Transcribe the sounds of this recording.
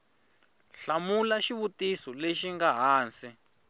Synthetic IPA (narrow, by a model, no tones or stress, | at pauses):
ɬamulaʃiβutisɔleʃiŋɡaɦaːnsi